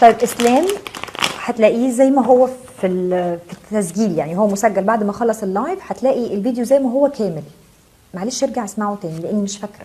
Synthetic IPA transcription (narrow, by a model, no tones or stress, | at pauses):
t̪ˤɑjːebʔeslæːm | ħæt̪læːʔiːzæjːmæɦowːæ | filfit̪ːæsɡiːljaʕnihowːæmosæɡːælbaʕd̪mæxɑlːɑsˤelːɑjfħæt̪læːʔiʔelviːd̪jozæjːmæɦowːækʰæːmel | maʕleːʃjeɾɡaʕʔesmaʕot̪æːnileʔenːmeʃfækɾæ